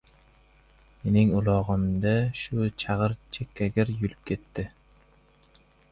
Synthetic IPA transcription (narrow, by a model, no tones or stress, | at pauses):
me̞nɪŋʊlˠɑʁɨmd̪aʃʊt͡ʃʰɑʁɨɾt͡ʃʰekʲʰːaɡʲɪɾjolɪp̚kʲʰe̞t̪ːɪ